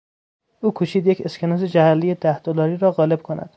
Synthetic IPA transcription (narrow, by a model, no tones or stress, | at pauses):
ʔuːkʰuːʃiːd̪je̞cʰe̞skʰenɒːzed͡ʒæhælːijed̪æhd̪̥olɒːɾiːɾɒːɣɒːle̞b̥̚kʰonæ̰d̪̥